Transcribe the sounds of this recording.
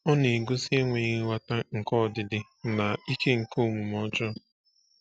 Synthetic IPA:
ɔ˦ne˨ɡo˦si˦e˦ŋʷe˨˦wa˦ta˦ŋ̩˨kɔ˦˨dɪ˦dɪ˦ | na˨i˦ke˦ŋ̩˨ko˦˨mu˨mɔ˦t͡ʃɔ˦

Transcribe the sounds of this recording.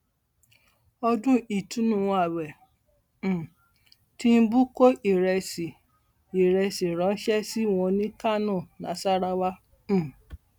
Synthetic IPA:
ɔ˧dũ˦i˦˨tũ˦nũ˦˨˧a˨wɛ̃˨ | ti˦n̩˦bu˦ko˦ʔi˨ɾɛ˧si˨ | i˨ɾɛ˧si˨ɾã˨˦n̩˦ʃɛ˦si˦w̃ɔ̃˧nĩ˦ka˦˨nũ˦˨nã˨˦sa˦ɾa˦wã˦˨

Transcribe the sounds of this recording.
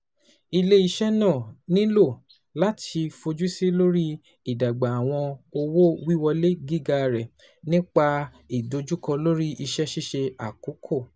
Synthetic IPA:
i˧le˦i˧ʃɛ˦nã˦˨nĩ˦lo˦˨ | la˦tʰi˧fo˧d͡ʒu˦si˦lo˦ɾi˦ | i˦˨da˨ɡ͡ba˨a˨w̃ɔ̃˧o˧wo˦wi˦wɔ˧le˦ɡi˦ɡa˧ɾɛ˨ | nĩ˦k͡pa˧ | i˨do˧d͡ʒu˦kɔ˧lo˦ɾi˦ʔi˧ʃɛ˦ʃi˦ʃe˧a˨ku˨˦kʰo˦˨

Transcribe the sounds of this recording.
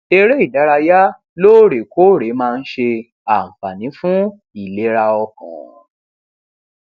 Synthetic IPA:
e˧ɾe˦i˦˨da˨˦ɾa˧ja˦ | loː˦˨ɾe˨ko˦˨ɾe˨˦mãː˦˧n̩˦ʃe˧ | a˦˨m̩˨fa˨nĩ˨˦fũ˦ | i˦˨le˨˦ɾa˧ɔ˧kɔ̰̃˨

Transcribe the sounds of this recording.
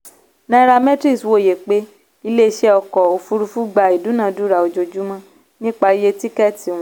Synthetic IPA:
nã˧˦ɾa˧mɛ̃˦tɾi˦˨swo˦˨je˨k͡pe˦ | i˦˧le˦˧˦ʃɛ˦ɔ˧kɔ˨o˧fu˧ɾu˧fu˦ɡ͡ba˨i˨du˨˦nã˨˦du˦ɾa˨o˨d͡ʒo˧d͡ʒu˦mã˧ | nĩ˦k͡pa˧i˦je˧ti˦kɛ˦tĩ˨ũ˨˦

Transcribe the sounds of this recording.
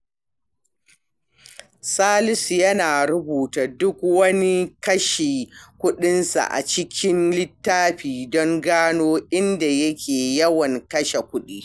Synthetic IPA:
saː˦lɪ˦sjɐ˦naː˨ɾʊ˦buː˨ta˨dʊ˦kwɐ˦ni˦kɐ˦ʃeː˨kʷʊ˦ɗɪ˦nsa̰˨ʔa̰˨t͡ʃɪ˦kʲɪ˦nlɪ˦tːaː˦ɸiː˨dɔ˦ŋɡaː˦noː˦ʔɪ˦nda˨jɐ˦kʲʰeː˨jɐ˦wɐ˨ŋkɐ˦ʃe˨kʷʊ˦ɗiː˦

